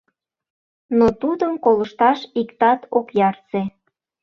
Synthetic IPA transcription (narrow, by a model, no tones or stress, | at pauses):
not̪ud̪əmkoləʃt̪ɑʃikt̪ɑt̪ʰokjɑrt͡se